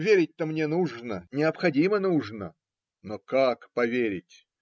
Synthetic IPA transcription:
vʲeɾʲɪt̚ʲt̪əmnʲenuʐnənʲɪɐpxɐdʲimənuʐnə | nokakpɐvʲeɾʲɪtʲ

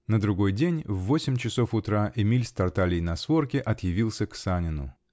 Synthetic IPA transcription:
nəd̪ɾʊɡo̞jdʲenʲvːo̞sʲɪmʲt͡ɕɪso̞fʊt̪ɾaʔɪmʲilʲst̪ɐrt̪alʲɪjnɐsvo̞rkʲɪʔɐt̪jɪvʲilˠsʲəksanʲɪnʊ̰

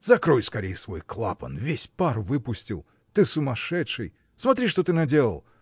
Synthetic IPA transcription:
zɐkɾojskɐɾʲejəsvo̞̰jklˠa̰pə̰nvʲesʲparvɨpʊsʲtʲilˠ | t̪ɨsʊmɐʂɛtʂɨj | smɐt̪ɾʲiʂt̪ot̪ɨnɐdʲelˠə̰lˠ

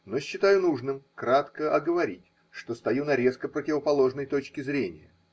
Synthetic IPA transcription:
no̞ɕːɪt̪ajʊnuʐnɨmkɾat̪kəʔɐɡəvɐɾʲitʲ | ʂt̪o̞st̪ɐjunɐɾʲe̞skəpɾətʲɪvəpɐlˠo̞ʐnəjt̪o̞t͡ɕkʲɪzɾʲenʲɪ̰jə̰

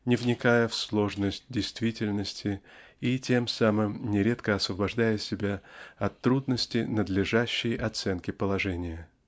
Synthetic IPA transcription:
nʲɪvnʲɪkajəfslˠo̞ʐnəsʲt̚ʲdʲɪjst̪vʲitʲɪlʲnəsʲtʲʰɪ | itʲe̞msamɨmnʲɪɾʲe̞t̪kəɐsvəbɐʐd̪ajəsʲɪbʲaɐt̪ːɾud̪nəsʲtʲɪnəd̪lʲɪʐæɕːɪjʔɐt̪sɛnkʲɪpəlˠɐʐɛnʲɪjə

